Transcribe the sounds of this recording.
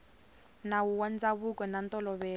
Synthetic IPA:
nawuwand͡zaβukɔnant̪ɔlɔβɛː

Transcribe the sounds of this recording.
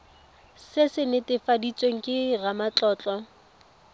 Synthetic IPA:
sɪsɪnɪtɪfadit͡sʼweŋ̩kʼɪɣamat͡ɬʼɔːt͡ɬʼɔ

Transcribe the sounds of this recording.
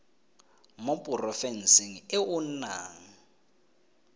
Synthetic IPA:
mopʼʊrɔfɛnsiŋ̩ɪʊnaːŋ̩

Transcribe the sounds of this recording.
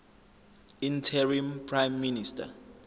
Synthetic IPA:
ĩntʰɛɹĩmpʰrãjmːinistʰa̰

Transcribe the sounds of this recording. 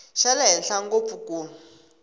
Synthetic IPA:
ʃalɛɦɛɬaŋɡopuko

